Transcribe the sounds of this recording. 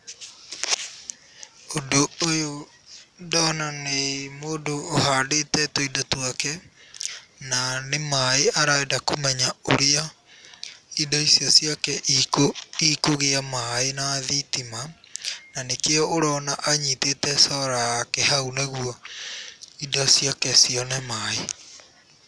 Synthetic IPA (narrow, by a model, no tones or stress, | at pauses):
odoojo | dɔnanemoːdoːhaːdetɛtoidotwakɛ | nanemaeʔaɾaɛdakomɛɲaoɾea | idɔisiɔsjakɛʔikoikoɣeamaenaðitimananekeɔoɾɔnaʔaɲitetɛsɔɾaakɛhaunaɣuɔ | idɔsiɔkɛsiɔnɛmae